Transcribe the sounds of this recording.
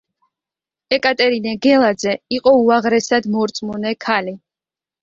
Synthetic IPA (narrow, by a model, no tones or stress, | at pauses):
ɛkʼat̪ʼɛɾinɛɡɛlˠad̪zɛiqʼɔuaʁɾɛsad̪mɔɾt̪sʼmunɛkʰali